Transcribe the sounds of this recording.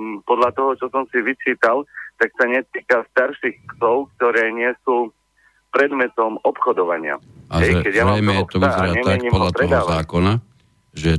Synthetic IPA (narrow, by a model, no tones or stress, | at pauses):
pɔd̪ʎat̪ɔɦɔt͡ʃɔsɔmsiʋit͡ʃiːt̪alt̪aksaɲɛt̪iːkast̪aɾʃixksɔʊkt̪ɔɾɛːɲɪɛsuː | pɾɛd̪mɛt̪ɔmɔpxɔd̪ɔʋaɲɪa̰aɦɛʒjkɛɟjamajmɛtk̪ɔaaɾaɲɛmaɲimpɔd̪latɾɛɦd̪aːzaːkɔna | ʒɛ